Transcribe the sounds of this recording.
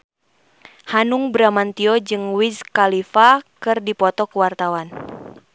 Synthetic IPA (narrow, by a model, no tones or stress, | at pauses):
hanuŋbɾamant̪iɔd͡ʒɨŋwizkalifakɨrdipɔt̪ɔkəwart̪awan